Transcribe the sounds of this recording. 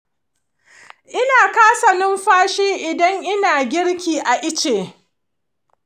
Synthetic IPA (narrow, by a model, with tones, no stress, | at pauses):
ʔɪ˦naː˨kaː˦sɐ˨nɪ˦mɸaː˦ʃiː˦ʔɪ˨dɐ˦ŋʔɪ˦naː˨ɡʲɪ˦ɽkʲiː˨ʔa˨ʔɪ˦t͡ʃeː˨